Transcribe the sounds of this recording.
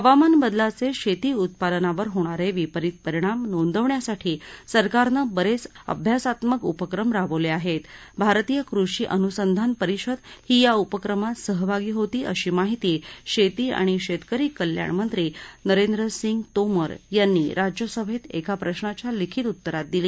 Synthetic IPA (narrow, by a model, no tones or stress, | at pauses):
əʋamanbəd̪lat͡seɕet̪iːut̪̚pad̪ənaʋəɾɦoɽ̃aɾeʋipəɾit̪̚pəɾiɽ̃amnond̪əʋɳjasaʈʰiːsəɾkaɾnəbəɾet͡sə̰bʱjasat̪məkupəkɾəmɾaʋəʋleaɦet̪bʱaɾt̪ijəkɾuʂiːʔənusənd̪ʱanpəɾiɕəd̪hiːjaupəkɾəmasəɦbʱaɡiːɦot̪iːʔəɕiːmaɦit̪iɕet̪iːa̰ɽ̃iɕet̪kəɾiːkəlja̰ɳmənt̪ɾiːnəɾend̪ɾəsiŋɡt̪oməɾjanːiːɾʔad͡ʑjəsəʋʱet̪ḛkapɾəɕɳat͡ɕjalikʰit̪ut̪ːəɾat̪̚d̪iliː